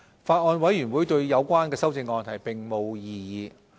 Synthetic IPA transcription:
faː˧t̚ŋɔː˧nwɐ˨˥jyː˨˩nwuː˨˥jt̪ɵ˧ɥjɐ˨˧wkʷaː˥nkɛː˧sɐ˥wt͡sɪ˧ŋɔː˧nt̪ʰɐ˨˩jpɪ˨˩ŋmo˨˧wjiː˨˧jiː˨˧

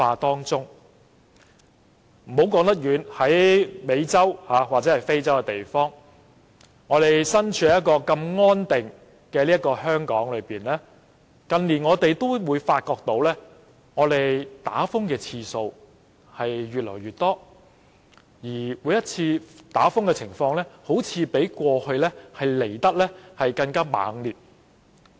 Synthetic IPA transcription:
faː˧t̪ɔː˥ŋt͡sʊ˥ŋ | m̩˨˩ho˨˥wkɔː˨˥ŋt̪ɐ˥t̚jyː˨˧nhɐ˨˥jme˨˧jt͡sɐ˥whaː˨˧waː˨t̚t͡sɛː˨˦hɐ˨˩jfe˥jt͡sɐ˥wkɛ˧t̪e˨jfɔː˥ŋ | ŋɔː˨˧t̪e˨jsɐ˥nt͡ʃʰyː˨˥˨jɐ˥t̚kɔː˧kɐ˧mŋɔː˥nt̪ɪ˨ŋ | kɛː˧liː˥ɐ˥kɔː˧hœː˥ŋkɔ̰ː˨˥ŋlɵ˨˧ɥpiː˨˩nlɛː˥ | kɐ˨nliː˨˩nŋɔː˨˧t̪e˨jt̪o˥wwuː˨˧jfaː˧t̚kɔː˧k̚t̪o˨˥wlɛː˥ | ŋɔː˨˧t̪e˨jt̪a̰ː˨˥fʊ˥ŋkɛː˧t͡sʰiː˧so˧w | hɐ˨jɥyː˨t̚lɔ̰ː˨˩jɥyː˨˩t̚t̪ɔː˥ | jiː˨˩wuː˨˧jɐ˥t̚t͡sʰiː˧t̪aː˨˥fʊ˥ŋkɛː˧t͡sʰɪ˨˩ŋfɔː˧ŋlɛː˥ho˨˥wt͡sʰiː˨˧pe˨˥jkʷɔː˧hɵ˧ɥlɛ˥hɐ˨jle˨˩jt̪ɐ˥k̚lɛː˥hɐ˨jkɐ˧ŋkaː˥ma̰ː˨˥ŋliː˨t̚

